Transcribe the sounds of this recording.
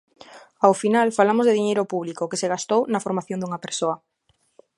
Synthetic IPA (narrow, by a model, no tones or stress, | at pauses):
awfinalfalamozðeðiɲejɾopuβlikokeseɣ̞ast̪ownafoɾmaθjõnd̪uŋapeɾsoa